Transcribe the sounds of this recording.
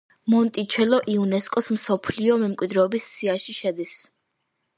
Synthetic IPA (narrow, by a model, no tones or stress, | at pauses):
mɔnt̪ʼit͡ʃʰɛlɔʔiunɛskʼɔsmsɔpʰliɔmɛmkʼwid̪ɾɛɔbisːiaʃiʃɛd̪is